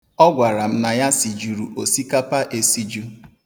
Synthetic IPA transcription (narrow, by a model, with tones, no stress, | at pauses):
ɔ˦ɡʷa˨ɾa˨m̩˦na˨ja˦si˨d͡ʒu˨ɾṵ˨ʔo˨si˦ka˦pa˦ʔe˦si˦d͡ʒu˦